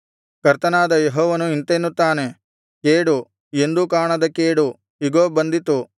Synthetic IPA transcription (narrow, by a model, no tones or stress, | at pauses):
kɐɾt̪ɐnaːd̪ɐjeɦɔːʋɐnuint̪enːut̪ːaːne̞ | keːɽu | e̞nd̪ukaːɳɐd̪ɐkeːɽu | iɡoːbɐnd̪it̪u